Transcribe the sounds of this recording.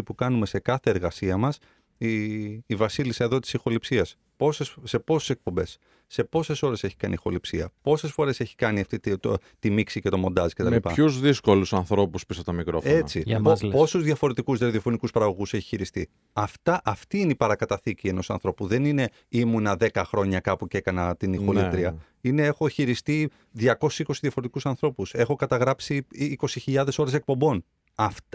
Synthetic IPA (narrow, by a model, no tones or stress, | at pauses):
ipukɐnume̞se̞kɐθe̞ːɾɣɐsiɐmɐs | iːvɐsilisɐe̞ðo̞t̪i̥sixo̞lipsiɐs | posese̞po̞su̥se̞k̚po̞mbe̞sː | e̞po̞se̞so̞ɾe̞se̞çi̥kɐnixo̞lipsiɐpo̞se̞sfo̞ɾe̞se̞çi̥kɐniɐft̪it̪o̰ | t̪imiksice̞t̪o̞mo̞nd̪ɐzi̥cet̪ɐmleipɐçuzðisko̞lusɐnθɾo̞puspisɐt̪ɐmikɾo̞foet͡sipoposuzðjʝɐfo̞ɾe̞t̪ikuzðeɾðio̞fo̞nikuspɐɾɐɣo̞ɣuse̞çi̥çiɾist̪ḭ | ɐft̪ɐʔɐft̪iineipɐɾɐkɐt̪ɐθicie̞no̞sɐ̰nθɾo̞puðe̞nine̞ | imunɐðe̞kɐxɾo̞ɲɐkɐpuce̞kɐnɐt̪inixolit̪ɾiɐ | ine̞e̞xo̞çiɾist̪i | ðʝɐko̞si̥siko̞siðjɐfo̞ɾe̞t̪i̥kusɐnθɾo̞puse̞xo̞kɐt̪ɐɣɾɐpsiːko̞siçiʎɐðe̞so̞ɾe̞se̞k̚po̞mbo̞n | ɐft